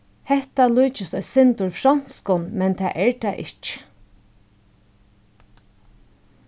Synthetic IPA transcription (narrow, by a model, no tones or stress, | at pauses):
hɛht̪aluːt͡ʃɪsɔjsɪnt̪ʊɹfɾan̥skʊnmɛnt̪ʰa̰ːʔɛɹt̪ʰaːʔɪ̰t͡ʃə̥